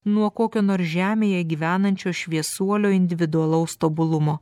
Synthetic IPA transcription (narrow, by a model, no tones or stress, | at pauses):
nuɔkoːkʲoːnoːɾsʒʲæːmʲeːjɛɡʲiːʋʲæːnɐnʲt͡ʃʲoːʃʲʋʲiɛsuɔlʲoːɪnʲd̪ʲɪʋʲɪd̪ʊɐlˠɐʊst̪oːbʊlˠʊmoː